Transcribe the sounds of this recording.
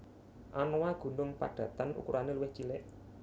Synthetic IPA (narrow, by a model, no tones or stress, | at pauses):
ʔanowaɡ̥ṳnʊŋpa̰ɖ̥ä̤t̪anʔṵkuɾʔaneluwɪht͡ʃilɪʔ